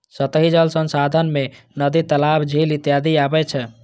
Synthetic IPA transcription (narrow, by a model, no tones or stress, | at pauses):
sət̪əɦid͡ʒəlsənsad̪ʱənme | nəd̪it̪əlabd͡ʒʱilit̪jad̪iabɛt͡ʃʰɛ